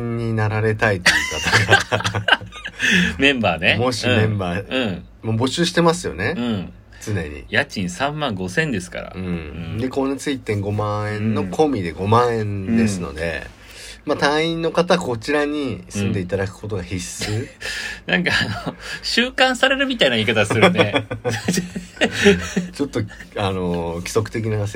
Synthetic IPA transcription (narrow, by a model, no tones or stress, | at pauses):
ɲːinaɾaɾe̞t̪ait̪ojɯkat̪aɡa | mẽ̞mbaːnemo̞ɕimẽ̞mbaːɯ̃ | mobo̞ɕɨːɕi̥t̪e̞masɨjo̞̰ne̞ɯ̃ | t͡sɨne̞̰ɲ̟ḭjat͡ɕĩɰ̃sãmːãŋɡo̞sẽ̞nd̪e̞sɨ̥ka̰ɾa̰ɯ̟̃d̪e̞kõ̞net͡sɨit̪ːẽŋɡo̞mãẽ̞nːo̞kʰo̞mʲid̪e̞ɡo̞mãẽ̞nd̪e̞sɨno̞̰d̪e̞̰ | mat̪ãɰ̃ĩnːo̞kat̪ako̞t͡ɕiɾaɲ̟isɨ̃nd̪e̞it̪ad̪akɯ̥ko̞t̪o̞ɡahisɨːnãŋkaanoɕɨːkãɰ̃saɾe̞ɾɯ̟mʲit̪ainaiːkat̪asɨɾn | t͡ɕo̞t̪ːoano̞kʲi̥so̞kɯ̥t̪ek̬ʲinaas